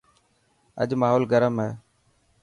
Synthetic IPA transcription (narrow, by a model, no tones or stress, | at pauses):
ə̰ʄmaːɦoːlɡəɾəmɦɛː